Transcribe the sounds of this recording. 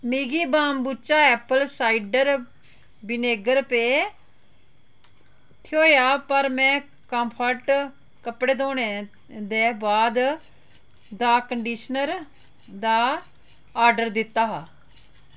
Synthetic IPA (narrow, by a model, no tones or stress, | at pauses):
miːɡiːbaːmbut͡ʃaːɛːpəlsaːiɖəɾ | bɪneːɡəɾpeː | t̪ʰjoːjaːpəɾmɛ̃ː | kə̃mpʰəʈ | kəpɽeːd̪oːɽ̃eː | d̪eːbaːd̪ | d̪aːkəɳɖiːʃnəɾ | d̪aː | aːɾɖəɾd̪ɪt̪ːaːɦaː